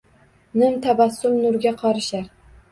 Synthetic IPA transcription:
nɪmt̪ʰavasːʊlnʊɾɡʲaqʰɒɾɪʃaɾ

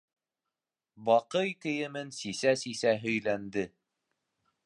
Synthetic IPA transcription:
bɑqɤjkɘ̆jɘ̆mɘnsisæsisæɦɵ̆jlænd̪ɘ

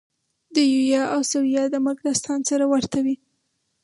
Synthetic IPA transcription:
d̪əjujɑʔawsawijɑd̪əmaɡɾast̪ɑnsaɾawaɾt̪awi

